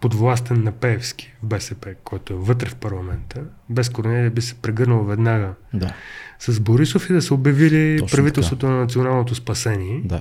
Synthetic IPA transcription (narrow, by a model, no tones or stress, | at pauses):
pod̪vlˠast̪ɛnːɐpɛːfsk̟i̥vbɛsɛpɛkʰɔjt̪oɛvɤt̪ɾɛfpɐɾlˠɐmɛnt̪ə | bɛskoɾonɛliɛbisɛ̥pɾɛɡɤɾnəlˠvɛd̪naɡəasɐz̬boɾisofid̪ɐsɛobjɐvilipɾɐvit̪ɛlˠsvot̪onɐnɐt̪sionalˠnot̪ospɐsɛniɛa